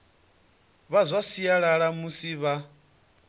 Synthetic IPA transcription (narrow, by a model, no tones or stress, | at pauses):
βazʷasijaɺaɺamusiβa